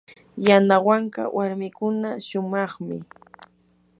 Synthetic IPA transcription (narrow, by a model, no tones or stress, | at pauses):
janawaɴka̰wʔaɾmɪkʊnaʃʊmɑχmɪ̰